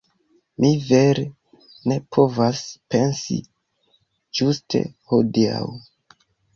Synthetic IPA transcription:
mive̞ɾe | ne̞pʰo̞vaspe̞nsḭ | d͡ʒustʰe̞̰ho̞dia̰w

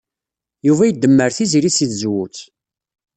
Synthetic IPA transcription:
juvæjəd̪ːəmːəɾθiziɾisiθzwut͡s

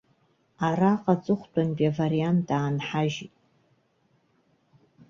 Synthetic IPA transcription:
araqʼat͡sʼɨχʷt͡pʷʰʼanpʼavariantʰʼaːnħaʒitʼ

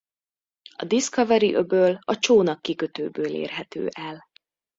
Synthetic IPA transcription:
ɒ̰d̪iskɒvɛɾiʔøbøːlɒt͡ʃoːnɒkːikøt̪øːbøːlḛːrɦɛt̪ø̰ːʔɛl

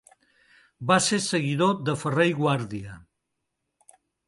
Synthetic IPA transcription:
basesəɣiðod̪əfərejɣwaɾðiə

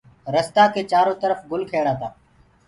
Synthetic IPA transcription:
ɾəst̪aːkʰeːt͡ʃaːɾõːt̪əɾəfɡʊlkʰeːɽaːt̪aː

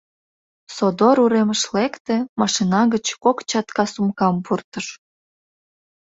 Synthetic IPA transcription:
sod̪oɾuɾeməʃlekt̪ĕmɑʃinɑɣət͡ɕkokt͡ɕɑt̪kɑsumkɑmpurt̪əʃ

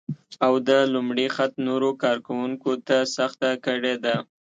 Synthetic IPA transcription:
awd̪əlʊmɽixat̪noɾokɑɾkawuŋkot̪asaxt̪akəɽed̪a

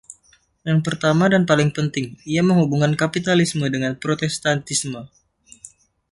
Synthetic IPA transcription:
jaŋpərt̪amadanpalɪŋpənt̪ɪŋiaməŋhubuŋankapit̪alismədəŋanpɾot̪ɛst̪ant̪ismə

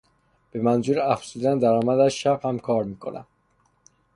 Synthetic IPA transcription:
b̥e̞mænzuːɾæfsuːd̪ænd̪æɾɒːmæd̪æʃæbhæmkʰɒːɾmiːkʰo̞̰næ̰m

